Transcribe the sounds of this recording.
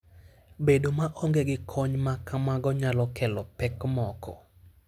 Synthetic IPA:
bedomaʔɔŋɡeɡɪkʰɔɲmakamaɡɔɲalɔkɛlɔpɛkmɔkʰɔ̰

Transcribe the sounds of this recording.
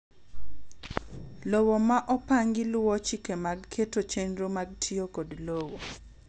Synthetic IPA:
lowomaʔɔpaŋɡɪlwɔt͡ʃikemaɡkʰetot͡ʃenɾomaɡtʰiokodlowo

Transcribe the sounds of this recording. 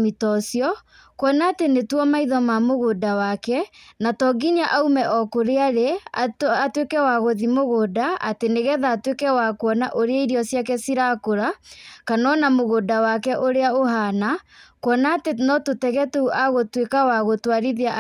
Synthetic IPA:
mitɔsjɔ | kwɔnaːtenetwɔmaiðɔmamoɣodawakɛnatɔɡiɲaʔaumɛʔɔkoɾeaɾe | atwekɛwaɣoðimoɣodaa̰teneɣɛðaːtwekɛwakwɔna̰ʔoɾeaiɾiɔsjakɛsiɾakoɾakanɔnamoɣodawakɛʔoɾeaoɦana | kwɔnaːtenɔtotɛɣɛtɛuʔaɣotwekawaɣotwaɾiðea

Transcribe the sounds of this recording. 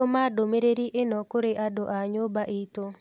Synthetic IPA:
omadomeɾeɾiʔenɔkoɾeʔadoʔaɲobaʔit̪o

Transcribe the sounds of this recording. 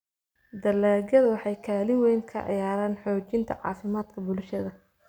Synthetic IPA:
d̪ɐlaːɡɐðɐwɑħɑjkʰaːlɪŋwɛjŋkʰɐ̰ʕɪ̰jaːɾaːnħɔːt͡ʃɪnt̪ʰɐ̰ʕɑ̰ːfɪmaːd̪̥kʰɐbʊlʃɐðɐ

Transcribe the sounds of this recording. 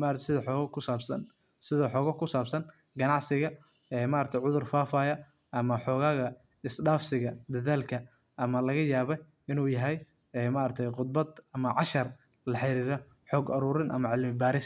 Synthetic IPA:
maɾt̪ʰsɪðɐħɔːɣɐkʰʊsaːbsɐn | sɪðɔħɔːɣɐkʰʊsaːbsɐn | ɡɐnɑʕsɪɣɐ | ɛːmaːɾt̪ʰɛjʕʊðʊrfaːfaːjɐ | ʔɐmɐħɔːɣaːɣɐ | ɪsɖaːfsɪɣɐd̪ɐðaːlkʰɐ | ʔɐmɐlɐɣɐjaːβɛj | ɪnuːjɐɦɛj | ɛːmaɾɐt̪ʰɛjqʊd̪̚bɐd̪ɐmɐʕɑʃɐr | lɐħɪɾiːɾɔ | ħɔːɡɐɾuːɾɪnʔɐ̰mɐʕɪlmɪbaːɾɪs

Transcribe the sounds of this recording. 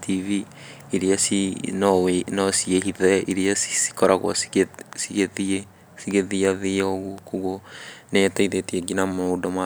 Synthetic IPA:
tʰivi | iɾiasinɔenɔsieɦiðɛiɾiasi̥si̥kɔɾaɣwɔ̰ssiɣeðie | siɣeðiaðioɣukuɣonɛtaiðetiɛɡinamoudɔma

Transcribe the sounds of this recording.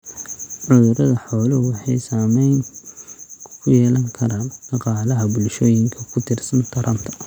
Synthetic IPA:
ʕʊðʊɾɐðɐħɔːlʊwɑħɑjsaːmɛjnʰ | kʰʊjɛːlɐŋkʰɐɾaːnɖ̥ɑqɑːlɐɦɐbʊlʃɔːjɪŋkʰɐkʰʊt̪ʰɪrsɐnt̪ʰɐɾʔɐmt̪ʰɐ̥

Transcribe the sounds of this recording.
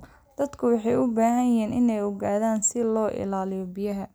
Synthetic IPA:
d̪̥ɐd̪kʰʊwɑħɑjʊbaːɦɐjɛːnʔɪnɛjɔɣaːðaːnsɪlɔːʔɪ̰laːlɪjɔbɪjɐɦɐ

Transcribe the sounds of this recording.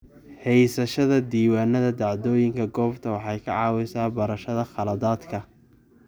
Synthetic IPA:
hɛjsɐʃɐðɐd̪iːwaːnːɐðɐd̪ɑʕd̪ɔːjɪŋkʰɐɡɔːft̪ʰɐwɑħɑjkʰɐʕɑːwɪsaːbɐɾɐʃɐðɐχɑlɐðaːd̪kʰɐ

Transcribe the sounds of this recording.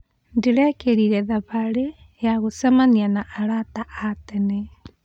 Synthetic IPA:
ndiɾɛkeɾiɾɛðaβaɾe | jaɣosamanianaʔːɾataatɛnɛ

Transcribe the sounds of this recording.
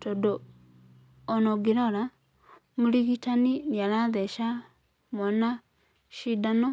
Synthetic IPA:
todo | noɡiɾɔɾa | muliɣitaniniaɾaðɛʃa | mwana | ʃidano

